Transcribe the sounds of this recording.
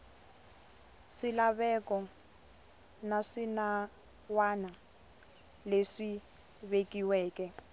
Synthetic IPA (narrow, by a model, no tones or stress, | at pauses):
ʂilaβɛkɔ | naʂina | wana | leʂi | βekʼiwɛːkʼɛ